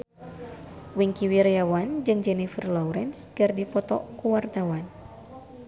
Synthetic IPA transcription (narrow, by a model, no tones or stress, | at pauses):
wiŋkiwirjawand͡ʒɨŋd͡ʒɛnifərlɔuɾɛnsɡərdipɔt̪ɔ̰kuwart̪awan